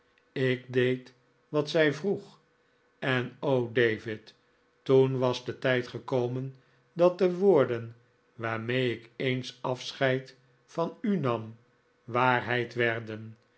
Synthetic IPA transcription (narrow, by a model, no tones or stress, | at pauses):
ɪɡdejt | ʋɑtsɛjvruχ | ɛnowdejvɪt | tunʋɑzdətɛjtχəkowmən | dɑt̚dəʋoːɹdən | ʋaːɹmejɪkejnsɑfsχɛjt | fɑnynɑm | ʋaːɹɦɛjtʋɛɹdən